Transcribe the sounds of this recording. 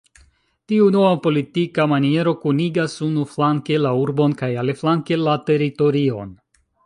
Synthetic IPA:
tiuno̞vapo̞litikamanie̞ɾo̞kuniɡasunuflaŋke̞lauɾbo̞nkajale̞flaŋke̞late̞ɾito̞ɾio̞̰n

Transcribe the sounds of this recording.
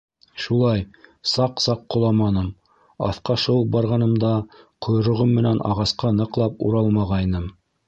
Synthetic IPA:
ʃulˠɑjsɑqsɑqːŏlˠɑmɑnɤm | ɑ̰θqɑʃɤ̆p̚bɑɾʁɑnɤ̆md̪ɑqʰŏj̆ɾŏʁɤmːɘ̆nænʔɑ̰ʁɑsqɑnɤ̆qlˠɑpṵɾɑlˠmɑʁɑjnɤm

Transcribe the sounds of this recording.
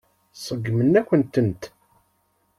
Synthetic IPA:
sˤəɡːmənːækʷənt̪ənt̪

